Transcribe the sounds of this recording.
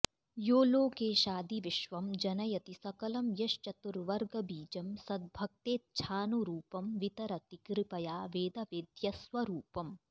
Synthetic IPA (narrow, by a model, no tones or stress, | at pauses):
joːloːkeːʃaːd̪iʋiʃʋɐmd͡ʒɐnɐjɐt̪isɐkɐlɐmjɐʃt͡ʃɐt̪uɾʋɐɾɡɐbiːd͡ʒɐmsɐd̪̚bʱɐk̚t̪eːt̪̚t͡ʃʰaːnuɾuːpɐmʋit̪ɐɾɐt̪ikɾipɐjaːʋeːd̪ɐʋeːd̪jɐsʋɐɾuːpɐm